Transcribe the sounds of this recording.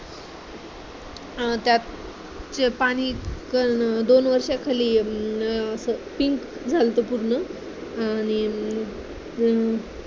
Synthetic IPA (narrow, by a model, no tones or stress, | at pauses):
t̪jat̪ | t͡ɕepaɽ̃ikəd̪onʋəɾʂjakʰaliː | əsəpiŋkd͡zʱalt̪əpuɾɳə | añi